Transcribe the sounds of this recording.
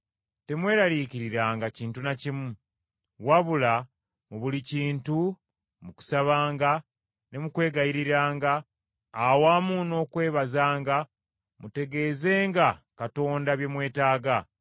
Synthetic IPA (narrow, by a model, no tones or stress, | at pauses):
te̞mwe̞ːɾaliciɾiɾaːŋɡaciːntunacimu | waβula | muβuliciːntu | muku̥saβaːŋɡa | ne̞mukwe̞ːɡajiɾiɾaːŋɡaː | waːmuno̞ːkwe̞ːβazaːŋɡa | mute̞ɡe̞ze̞ːŋɡakato̞ːndaβje̞mwe̞ːtaːɡa